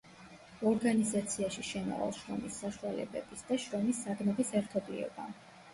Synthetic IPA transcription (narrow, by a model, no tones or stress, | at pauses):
ɔɾɡanizat̪sʰiaʃiʃɛma̰ʁa̰lˠʃɾɔ̰misːaʃualɛ̰bɛ̰bisd̪aʃɾɔmisːad̪mɔbisɛɾt̪ʰɔblḭɔ̰ba